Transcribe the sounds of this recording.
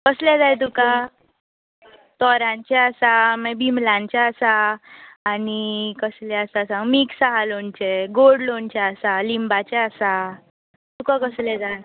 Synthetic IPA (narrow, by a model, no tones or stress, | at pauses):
kəslɛd͡zajt̪̬uka | t̪ɔɾãɲt͡ɕeasamɛbimlãɲt͡ɕaəsaː | nikəslɛasasãŋɡmiksaɦalont͡ɕeɡoɖlont͡ɕaəsalimbat͡ɕeasa | t̪ukakəslɛd͡zaj